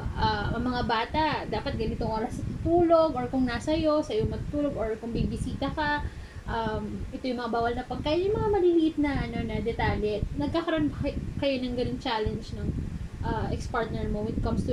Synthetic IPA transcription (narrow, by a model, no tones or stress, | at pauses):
ʔaʔɐŋmɐŋabaːt̪ɐd̪aːpɐt̪̚ɡɐnɪt̪oŋʔoːɾɐsnɐt̪ʊt̪uːlo̞ɡoɹkʊŋnasɐjo̞sɐjoŋmɐɡt̪ʊt̪uːloɡoɹkʊŋbibɪsiːt̪ɐkɐ | ʔɐmʔɛt̪o̞jʊŋmɐŋabaːwɐlnɐpɐɡ̚kajɐjʊŋmɐŋamɐliliʔɪt̪̚nɐʔɐno̞nɐd̪ɛt̪aːljɛt̪nɐɡ̚kakɐɾoʔonkɐjonɐŋɡɐnoŋt͡ʃaːlɛnd͡ʒnɐŋʔaʔɛkspaɹt̪̚nɛɹmowɪd̪̚kɐmst̪ʊ